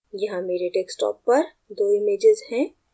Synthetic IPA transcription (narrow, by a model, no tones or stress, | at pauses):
jɐɦãmeːɾeʈeːksʈɔ̰ːpːɐɾ | d̪oːɪmeːd͡ʒɪzhɛ̃ː